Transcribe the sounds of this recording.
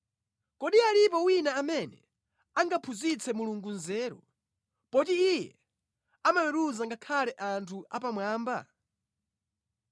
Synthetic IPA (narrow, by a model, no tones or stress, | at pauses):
kɔɗialip̬ɔwinaːmɛnɛ̰ | aŋɡapʰuzit͡sʰɛmuluŋɡunzɛːɾɔ | pɔt̬iijɛ | amawɛɾuzaŋɡakʰalɛʔantʰua̰p̬amwaːmba̰